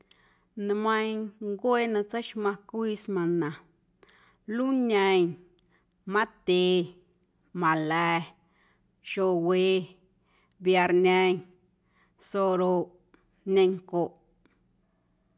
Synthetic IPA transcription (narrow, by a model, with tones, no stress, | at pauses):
na˧mã˧jŋɡwʷe˦nã˧t͡sa˦jʃmã˧kʷi˦smã˨nã˨ | lu˦ɲã˧ɲ | mã˦t̪e˨˧ | mã˨lɛ˧ | ʃo˧we˧ | bja˧˨ɾnɛ̃˧ɲ | so˧ɾo˧ | nẽ˧ŋko˨ʔ